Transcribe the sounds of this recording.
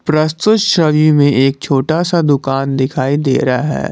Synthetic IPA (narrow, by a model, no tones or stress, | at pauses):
pɾɐst̪ʊt̪ʃɐʋjõmẽʔeːk̚t͡ʃʰoːʈasad̪ʊkaːnd̪ɪkʰaːid̪ḛːɾaɦɛ̰ː